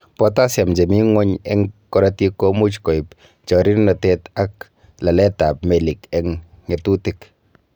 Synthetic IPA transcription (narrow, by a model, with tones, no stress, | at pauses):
pɔta˦sja˨md͡ʒɛ˨mi˦ŋɔ˦ɲɛ˦ŋkɔ˦ɾati˦ko˦mu˦t͡ʃkɔ˨ɪp | t͡ʃɔ˨ɾi˦nnɔ˨tɛta˦k | la˨lɛ˦ta˨p̚mɛ˨likɛŋ | ŋɛ˨tu˦tɪk